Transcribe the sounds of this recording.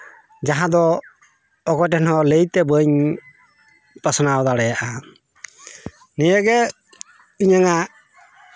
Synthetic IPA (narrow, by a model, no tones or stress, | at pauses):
d͡ʒaɦãd̪ɔ | ɔkɔʈɛnhɔləjt̪ɛbəɲ | pəsɔnawd̪aɽɛjaʔa | nijəɡɛ | iɲaŋa